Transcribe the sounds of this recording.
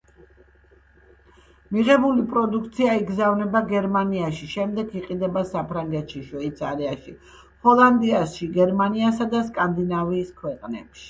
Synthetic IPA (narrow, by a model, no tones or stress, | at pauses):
miʁɛbulipʼɾɔd̪uk̚ʰt̪sʰiaiɡzavnɛbaɡɛɾmaniaʃiʃɛmd̪ɛɡiqʼid̪ɛbasapʰɾaŋɡɛt̪ʃiʃwɛit̪sʰaɾiaʃi | hɔlˠand̪iasʃiɡɛɾmaniasad̪askʼand̪inaviːskʰwɛqʼnɛ̰pʃi̥